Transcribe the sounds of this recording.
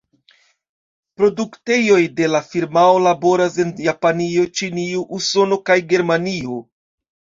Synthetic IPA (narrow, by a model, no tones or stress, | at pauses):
pɾo̞dukte̞jo̞jde̞lafiɾmaolabo̞ɾase̞njapanio̞t͡ʃiniuʔuso̞no̞kajɡe̞ɾmanio